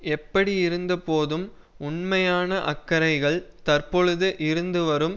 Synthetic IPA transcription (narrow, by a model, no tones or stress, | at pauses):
ɛpːɐɽiɪɾɯnd̪ɐpoːðɯm | ʊɳmɐjaːnɐʔɐkːɐɾɐɪɣɐɭt̪ɐrpɔɻɯðɯʔɪɾɯnd̪ɯʋɐɾɯm